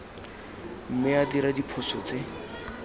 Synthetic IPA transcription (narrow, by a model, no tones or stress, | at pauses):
m̩mɪadiɾadipʰɔsɔt͡se